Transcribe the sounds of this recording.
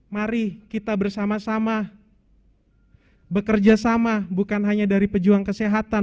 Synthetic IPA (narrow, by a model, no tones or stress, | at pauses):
maɾikit̪abərsamasama | bəkərd͡ʒasamabukanɦaɲadaɾipəd͡ʒuaŋkəseɦat̪a